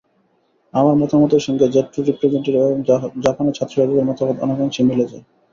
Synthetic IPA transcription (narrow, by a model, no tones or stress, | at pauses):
amaɾmɔt̪amɔt̪eɾʃɔŋɡed͡ʑet̪ːɾoɾipɾed͡ʑeɳʈiɾeoŋd͡ʑapaneɾt͡ɕʰat̪ːɾoʃad͡ʑid̪eɾmɔt̪amot̪ɔ̰nekont͡ɕʰimiled͡ʑa̰